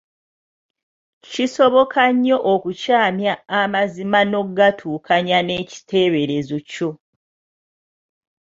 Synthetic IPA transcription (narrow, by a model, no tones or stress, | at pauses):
ciso̞βo̞kʰaɲːo̞ʔokucaːmjaːmazimano̞ɡatʰuːkʰaɲane̞ci̥te̞ːβe̞ɾe̞zo̞co